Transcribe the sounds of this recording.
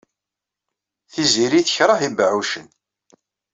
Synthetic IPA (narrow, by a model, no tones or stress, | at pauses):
θiziɾiθəçɾˤəhibəʕuʃən